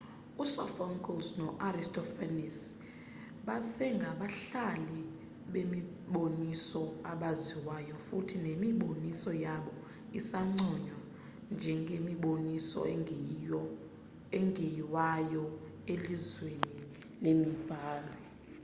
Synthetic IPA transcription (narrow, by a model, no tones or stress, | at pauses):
usɔfɔŋkʰʼɔlsnɔʔaristʰʼɔfanis | ɓasɛŋɡʱaɓaɬali | ɓemi | ɓonisɔaɓaziwajɔfutʰinemiɓonisɔjaɓɔ | isaŋ͡ǀɔɲwa | nd͡ʒʱɛŋɡʱemiɓonisɔ̰ | ɛŋɡʱejiwajɔ | elizweni | lemib̥ʱaːlɔ